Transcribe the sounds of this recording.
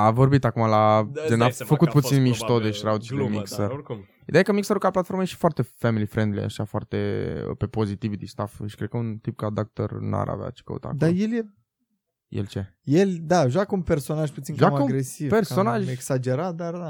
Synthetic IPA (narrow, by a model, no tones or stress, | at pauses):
avo̞rbit̪akumalad͡ʒ̪enafəkut̪̚put̪sinmiʃt̪od̪eʃɾawd̪̚t͡ʃid̪emḭksər | id̪eajakəmiksəɾukalplat̪foɾməjeʃi̥foart̪e̞femilifɾend̪lḭa̰ʃafoa̰rt̪ḛə̰pepo̞zit̪ivd̪ist̪afʃi̥kɾed̪̚kəunt̪ip̚kad̪ak̚t̪o̰rna̰ɾʔa̰vḛa̰t͡ʃi̥kə̰ṵt̪a̰doajelje | jḛlt͡ʃe | jeld̪aʒwakəunperso̞naʒput̪sinkʒamaəuɡɾesivpersonaʒeksad͡ʒeɾat̪̚d̪ard̪a